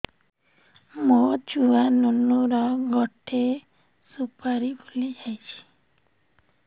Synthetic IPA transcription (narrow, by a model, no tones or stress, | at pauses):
mod͡ʒuwanunuɾɔɡɔʈʰe | supaɾibulid͡ʒajt͡ʃʰi̥